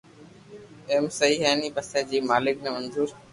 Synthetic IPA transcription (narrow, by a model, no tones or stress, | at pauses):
eːmsəiːɦeːniːpəseːd͡ʑiːmaːlɪk̚nemənzuːɾ